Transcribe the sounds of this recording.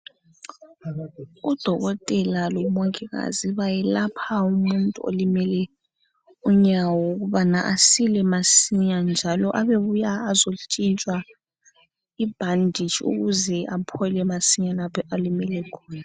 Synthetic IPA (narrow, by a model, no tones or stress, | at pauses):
ud̥ʱɔɣɔtʼɛlalɔmoŋkʼiɣa̰ziβajɛlapʰaumuntʼuo̰limɛlɛ | uɲawɔuɣuβanaʔasilɛmasiɲand͡ʒʱalɔʔaβeβujaːzot͡ʃʼint͡ʃʼwa | ib̥ʱandʱit͡ʃʰṵɣuzɛʔapʰɔlɛmasiɲalapʰɔʔalimɛlɛkʰɔ̥ːna